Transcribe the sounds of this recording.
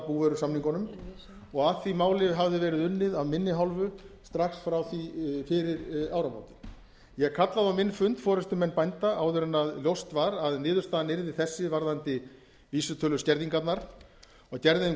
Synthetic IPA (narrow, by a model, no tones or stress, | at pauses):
puvɛɾʏ̥samniŋkɔnʏm | ɔɣaθimaːwlɪɦavðɪvɛːɾɪðʏnːɪðaðmɪnːɪɦalvʏst̪ɾaxsfɾawθifɪɾɪɾaːwɾama̰wt̪ɪ̥ | jɛɣkʰat̪laðawmɪnːfʏnt̪fɔːɾɛst̪ʏmɛnːpajnt̪aʔaːwðʏɾɛnaðljowst̪vaɾaðnɪːðʏɾ̥t̪aːðnɪɾðɪ̥θɛsːɪvaɾðant̪ɪ | viːsʏt̪ʰœːlʏscɛɾðiŋkat̪naɾ̥ | ɔacɛɾðɪm